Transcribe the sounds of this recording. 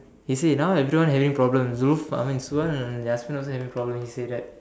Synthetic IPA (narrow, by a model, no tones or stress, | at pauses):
hisenawevɾiʋãnɦɛʋĩŋpɾɔblə̃mzulufa̰mĩnsuəñnaspĩnɔlsoɦɛvĩŋpɾɔblə̃mhiseːɛt̚